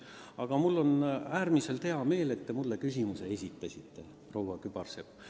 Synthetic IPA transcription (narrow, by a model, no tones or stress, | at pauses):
ɑɡ̥ɑmulːo̞næːrmise̞lt̪e̞ɑme̞ːle̞t̪ːe̞mulːe̞kys̬ʲimuse̞esʲit̪ːˑɑsʲit̪ːe̞ | pro̞wɑkyb̥ɑrsepː